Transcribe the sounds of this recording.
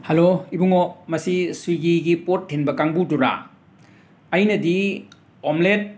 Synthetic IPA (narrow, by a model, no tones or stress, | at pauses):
hɐloibuŋomɐsiswiɡiɡipotʰːenbɐkaŋbuduɾa̰ | ɐjnɐdi | omlet̚